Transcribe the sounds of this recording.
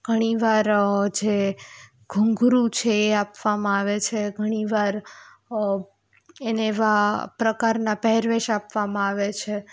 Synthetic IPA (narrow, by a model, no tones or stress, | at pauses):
ɡ̥ʱəɽ̃iʋaɾd͡ʒe | ɡʱuŋɡɾũt͡ʃʰeːapʋamãaʋet͡ʃʰeɡʱəɽ̃iʋaɾ | eneːʋapɾəkaɾnapɛɦɛɾʋeʃapʋamãaʋet͡ʃʰe